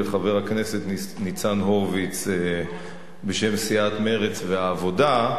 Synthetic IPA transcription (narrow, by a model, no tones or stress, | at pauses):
eχave̞ʁakne̞set̪nit͡sanɦovit͡se | be̞ʃe̞msiat̪me̞ʁet͡sveaːvo̞da